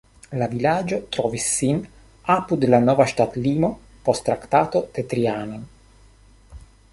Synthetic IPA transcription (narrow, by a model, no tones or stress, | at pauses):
lavilad͡ʒot̪ɾɔvisːin | apud̪lanɔːvaʃt̪at̪liːmo | post̪ːɾakt̪aːt̪od̪̥et̪ɾiaːnon